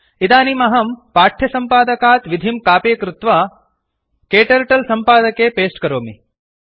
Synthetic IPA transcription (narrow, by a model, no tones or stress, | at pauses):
id̪aːnimɐɦɐmpaːʈʰjɐsɐmpaːd̪ɐkaːt̪ʋid̪ʱimkaːpeːkɾut̪ʋa | keːʈɐɾʈɐlsɐmpaːd̪ɐkeːpeːsʈkɐɾoːmi